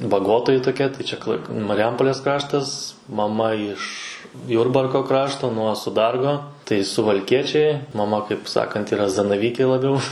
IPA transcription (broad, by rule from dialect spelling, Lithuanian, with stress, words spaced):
bɐˈɡoːtoːjɪ toːˈkʲɛ tɐɪ ˈt͡ʃʲɛ klˠɐɪ mɐrʲɪˈjɛmpoːlʲeːs ˈkrɑːʃtɐs mɐˈmɐ ɪʃ ˈjʊrbɐrkoː ˈkrɑːʃtoː nuɔ sʊˈdɐrɡoː ˈtɐɪ sʊʋɐlʲˈkʲiɛt͡ʃʲɛɪ mɐˈmɐ kɐɪp ˈsɑːkɐnt iːˈrɐ zɐnɐˈʋʲiːkʲeː lˠɐˈbʲɛʊ